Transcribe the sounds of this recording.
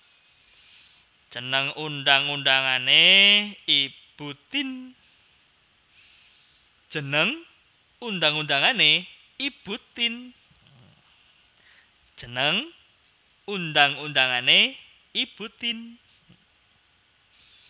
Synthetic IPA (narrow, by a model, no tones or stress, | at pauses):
d̥ʒ̥ənəŋund̪aŋund̪aŋane | ib̥ut̪ɪn | d̥ʒ̥ənəŋ | und̪aŋund̪aŋane | ib̥ut̪ɪn | d̥ʒ̥ənəŋ | und̪aŋund̪aŋane | ib̥ut̪ɪn